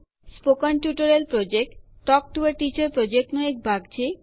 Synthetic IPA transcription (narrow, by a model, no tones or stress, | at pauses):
spokanʈjuʈoɾelpɾod͡ʑek̚ʈʈːɔk̚ʈueɾʈit͡ɕaɾpɾod͡ʑek̚ʈnɔek̚bʱaɡt͡ɕʰi